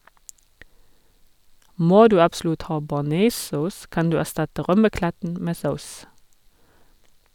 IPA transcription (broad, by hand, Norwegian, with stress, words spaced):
ˈmoː ˈdʉː ɑbˈslʉt ˈhɑː bɑˈneːˌsɔs ˈkɑn ˈdʉː æˈstɑtə ˈʁœməˌklætn̩ ˈmeː ˈsaʊs